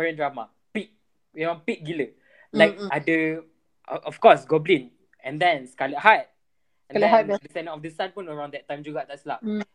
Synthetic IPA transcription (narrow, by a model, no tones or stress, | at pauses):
ɛɹə̃ndɹama | pik̚ | junopik̚ɡilə | lajk̚adə | ʔɔfkɔsɡɔblĩn | ɛ̃ndɛ̃nskalət̚hajt̚ | ɛ̃ndɛdəsɛ̃nə̃tɔfdəsãnpɔ̃nəɹãw̃ndɛttːãj̃md͡ʒuɡɔt̚dɛtslap